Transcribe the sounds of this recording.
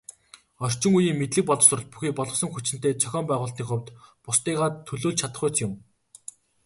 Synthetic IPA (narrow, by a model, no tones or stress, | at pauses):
ɔr̥ʲt͡ɕɪ̆ŋujiːŋmet̪ɮɘ̆k̚pɔɮɞ̆sʊ̆r̆ɮt̪̚puxiːk̚pɔɮʁɞ̆χsɞ̆ŋxut͡ɕɪ̆n̥t̪eːt͡sʰœxʲɔːmpæːʁʊːɬt̪niːŋχʊwt̪pʊst̪iːʁaːt̪ʰːɵɮoːɮt͡ɕʰat̪ə̥̆χʊːt͡sjʊm